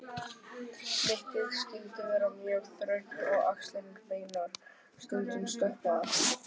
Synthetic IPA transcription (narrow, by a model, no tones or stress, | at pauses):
fɪhc̪ɪðscɪlt̪ɪvɛːɾamjœːɾ̥θɾœɥht̪ɔɣakst̪lɪnɪŋpeːjnaɾ̥ | st̪œlt̪ʏmst̪ɔhpaða